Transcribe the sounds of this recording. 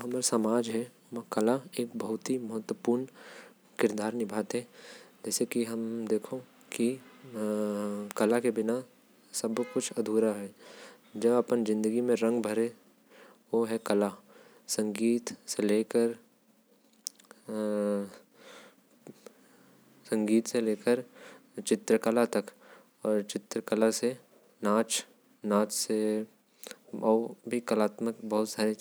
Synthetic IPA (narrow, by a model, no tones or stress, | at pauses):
ɦɐmaːɾsɐmaːd͡ʒɦɛ | ʋkɐlaeːk̚bɐɦʊt̪ɦimɐɦət̪wəpuːɾn | kɪɾd̪aːɾnɪbʱaːt̪ɦɛːd͡ʒɛːsekiɦɐmd̪eːkʰo | ki | kɐlakebɪna | sɐbkʊt͡ʃʰɐd̪ʱuːɾaɦɛ | d͡ʒɐbɐpənzɪ̃nd̪əɡimẽɾɐ̃ŋɡbʱɐɾe | ʋoɦɛkɐla | sɐ̃ŋɡiːt̪seleːkəɾ | sɐ̃ŋɡiːt̪seleːkəɾt͡ʃɪt̪ɾəkəlat̪ɐk | ɔːɾt͡ʃɪt̪ɾəkəlase | naːt͡ʃ | naːt͡ʃse | ɔːbʱikəlaːt̪məkbɐɦʊt̪saːɾe